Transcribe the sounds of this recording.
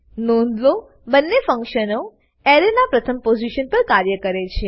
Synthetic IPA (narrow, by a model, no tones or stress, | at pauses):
nond̪lo | bənːefə̃ŋkʃəno | eɾenapɾət̪ʰəmpod͡ʒiʃənpəɾkaɾjəkəɾet͡ʃʰe